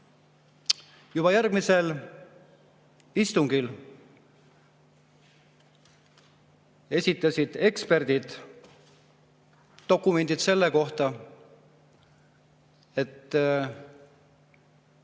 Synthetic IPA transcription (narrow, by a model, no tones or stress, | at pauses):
jub̥ɑjærɡ̥mise̞l | ist̪uŋɡil | e̞sʲit̪ːˑɑsʲid̪̥e̞kspe̞rd̪̥id̪̥ | o̞kːˑume̞nd̪̥id̪̥se̞lːeko̞ht̪ɑ | e̞t̪ː